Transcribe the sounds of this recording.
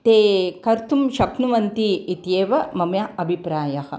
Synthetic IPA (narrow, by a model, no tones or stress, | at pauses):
t̪eːkɐɾt̪umʃɐknuʋɐnt̪iːt̪jeːʋɐmɐmjɐʔɐbʱipɾaːjɐhɐ̆